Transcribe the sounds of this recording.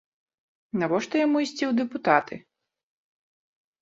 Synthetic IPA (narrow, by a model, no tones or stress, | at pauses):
navɔʂt̪ɔjamuisʲt͡sʲiwd̪ɛput̪at̪ʰɨ